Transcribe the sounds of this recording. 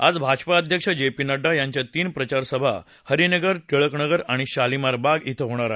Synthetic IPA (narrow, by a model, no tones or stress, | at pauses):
a̰d͡zbʱad͡ʑpaəd̪ʱjəkʂəd͡ʑepinəɖːajaɲt͡ɕjat̪iːnpɾət͡ɕaɾsəbʱa̰ | həɾinəɡəɾʈ̪əɭəknəɡəɾaɽ̃iɕalimaɾbaɡit̪ʰəɦoɽ̃aɾaɦe